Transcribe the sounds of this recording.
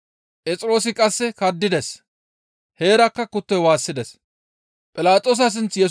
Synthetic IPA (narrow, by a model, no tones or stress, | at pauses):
pʼɛt͡sʼɪɾo̞ːsɪkʼɐsːɛkɐd̪ːɪd̪ɛs | he̞ːɾɐkːɐkʊt̪ːɔjwaːsːɪd̪ɛs | pʼɪlaːt̪ʼoːs̬ɐs̬ɪnt͡sjɛ